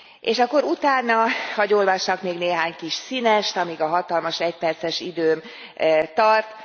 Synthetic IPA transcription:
ḛːʃɒkːo̞ɾut̪aːnːɒhɒɟoːlvɒʃɒkmeːɡneːɦaːɲkiʃsinɛʃt̪ɒmiɡɒɦɒt̪ɒlmɒʃɛc̚pɛrt̪sɛʃid̪øːm | t̪ɒrt̪

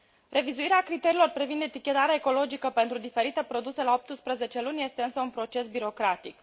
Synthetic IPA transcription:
re̞vizuiɾeakɾit̪e̞ɾiːlo̞rpɾivind̪et̪ikʲe̞t̪aɾeaeko̞lo̞d͡ʒikəpe̞nt̪ɾud̪ife̞ɾit̪e̞pɾo̞d̪uselao̞p̚t̪ɨspɾəze̞t͡ʃe̞lunʲje̞st̪e̞ɨnsəunpɾo̞t͡ʃe̞sbiɾo̞kɾat̪ik

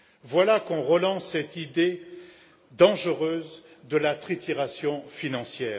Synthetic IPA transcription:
vwalakɔ̃ʁəlɑ̃sːɛt̪id̪e | d̪ɑ̃ʒəʁøːz | d̪əlat̪χit̪ʰiʁasjɔ̃finɑ̃sjɛːʁ

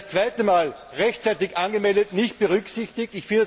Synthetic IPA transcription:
st͡sv̥aɪtəmaːl | ʁɛçt͡sæɪtɪkʔanɡəmɛldətnɪçt̚b̥əʁʏksɪçtɪk̚tɪçfɪndə

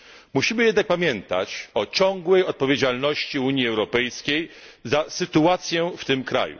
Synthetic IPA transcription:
muɕimɘjɛd̪nak̚pamʲjɛnt̪a̰t͡ɕɔt͡ɕɔ̃ŋɡwɛjɔt̪̚pɔvʲjed͡ʑalnɔɕt͡ɕiuɲjiɛwɾɔpɛjskʲej | zasɘt̪uat̪sʲjɛft̪ɘmkɾa̰jṵ

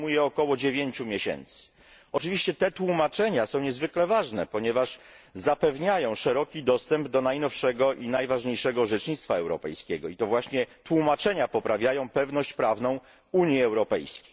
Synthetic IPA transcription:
mujɛɔkɔwɔd͡ʑevʲjeɲt͡ɕumʲjeɕɛ̰nt̪sɘ̥ | ɔt͡ʂɘvʲiɕt͡ɕɛt̪ɛt̪wumat͡ʂɛɲasɔ̃w̃ɲɛzvɘklɛvaʐnɛ̰pɔɲɛvaʂ | zapɛvɲajɔ̃w̃ʂɛɾɔkʲid̪ɔst̪ɛmbd̪ɔnajnɔfʂɛɡɔʔinajvaʐɲejʂɛɡɔʐɛt͡ʂɲit̪st̪faɛwɾɔpɛ̰jskʲɛɡɔit̪ɔvwaɕɲɛt̪wumat͡ʂɛɲapɔpɾavʲjajɔ̃w̃pɛvnɔɕt͡ɕpɾavn̪ɔ̃w̃ | uɲjiɛwɾɔpɛ̰jskʲej

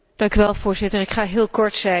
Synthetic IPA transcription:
d̥ɑŋkyʋɛlˠv̥ʊːɹzɪtəɹɪkχaːɦɪːlˠkɔɹtsɛ

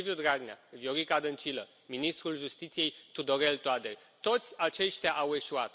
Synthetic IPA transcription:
viud̪ɾaɡnʲa̰vjoɾikad̪ənt͡ʃilə | minist̪ɾulʒust̪it̪sije̞jt̪ud̪o̞ɾe̞lt̪oad̪e | t̪o̞t̪sʲat͡ʃe̞ʃt̪ʲaʔawe̞ʃuat̪

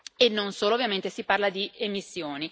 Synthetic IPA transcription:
enːonsoːloːvːjament̪esiparlad̪iemisːjoːni

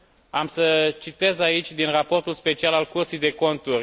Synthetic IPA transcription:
amsət͡ʃit̪e̞zait͡ʃʲd̪inrapo̞rt̪ulspe̞t͡ʃialalkurt̪sijd̪e̞ko̞nt̪urʲ

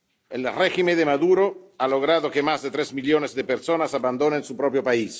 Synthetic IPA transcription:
elrɛximed̪emaðuɾoaloɣɾaðokemazd̪et̪ɾezmiljonezd̪epeɾsonasaband̪onensupɾɔpɾjopais

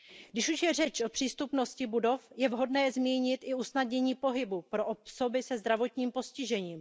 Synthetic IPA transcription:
ɡdɪʃuʃjɛr̝ɛt͡ʃʔopr̥iːst̪upno̞scɪbudo̞fjɛvɦo̞dnɛːzmiːɲɪt̪ʔɪusnadɲɛɲiːpo̞ɦɪbupɾo̞ʔopso̞bɪsɛzd̪ɾavo̞t̪ɲiːmpo̞scɪʒɛɲiːm

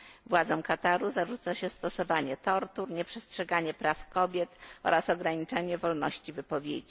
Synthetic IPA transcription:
vwad̪zɔw̃kat̪aɾuzaʐut̪saɕɛst̪ɔsɔvaɲɛt̪ɔɾt̪uɾɲɛpʂɛstʂɛɡaɲɛpɾafkɔbʲjɛt̪ɔ̰ɾasɔɡɾaɲit͡ʂɛɲɛvɔlnɔɕt͡ɕivɘpɔvʲjḛd͡ʑi

